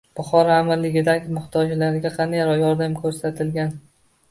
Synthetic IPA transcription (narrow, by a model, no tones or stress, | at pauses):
b̥ʊχɒɾaːmalːɪɡʲɪd̪akʲmʊχt̪ʰɒd͡ʒlaɾɪɡʲaqʰɑnd̪ajaɾjɒɾd̪amkʰɵɾsat̪ʰɪlɡʲan